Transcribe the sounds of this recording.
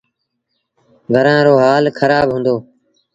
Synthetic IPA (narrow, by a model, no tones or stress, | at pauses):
ʋʱəɾãːɾoːɦaːlkʰəɾaːbɦũːnd̪oː